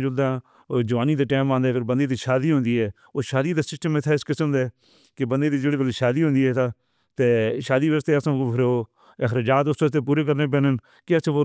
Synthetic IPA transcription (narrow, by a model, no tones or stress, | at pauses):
d͡ʒʊld̪aː | d͡ʒəʋaːniːd̪aːʈɛːmãːnd̪ɛːkʰɪɾbənd̪eːd̪iːʃaːd̪iːɦʊ̃nd̪iːɛː | oːʃaːd̪iːd̪aːsɪsʈəmɪt̪ʰaːɪskɪsəmd̪ɛː | kɪbənd̪eːd̪iːd͡ʒeːɽeːkəleʃaːd̪iːɦʊ̃nd̪iːɦɛːt̪aː | t̪eːʃaːd̪iːʋəst̪eːəsãːkːpʰɾoː | ɪxɾɪd͡ʒaːt̪ʊsʋəst̪eːp̬uːɾeːkəɾneːp̬ɛ̃ːnən | kɪəso